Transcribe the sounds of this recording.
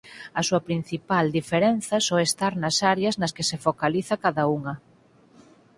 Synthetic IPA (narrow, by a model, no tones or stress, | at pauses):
ɐsuɐpɾin̟θipald̪ifeɾenθɐsowest̪aɾnɐsaɾjɐznɐskesefokaliθɐkaðɐuŋɐ